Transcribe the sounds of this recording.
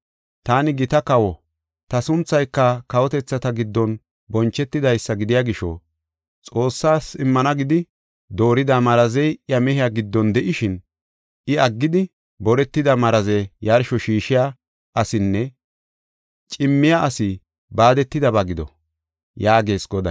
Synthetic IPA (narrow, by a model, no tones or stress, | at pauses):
t̪aːnɪɡɪt̪ɐkɐwɔ | t̪ɐsʊnt͡sːɐjkːɐkɐwɔt̪ɛt͡sːɐt̪ɐɡɪd̪ːɔn | bɔnt͡ʃːɛt̪ːɪd̪ɐjsːɐɡɪd̪ɪjaɡɪʃɔ̰ | t͡sʼo̞ːsːaːsɪmːɐnɐɡɪd̪ɪ | d̪o̞ːɾɪd̪amɐɾɐzɛjʔɪjɐmɛɦɪjaɡɪd̪ːɔnd̪ɛʔɪʃɪn | ɪɐɡːɪd̪ɪ | bɔɾɛt̪ːɪd̪ɐmɐɾɐzɛjɐɾʃɔʃiːʃɪja | ʔɐsɪnːɛ | t͡ʃʼɪmːɪjaʔɐsɪ | baːd̪ɛt̪ːɪd̪ɐbɐɡɪd̪ɔ̰ | jaːɡe̞ːsɡɔd̪ɐ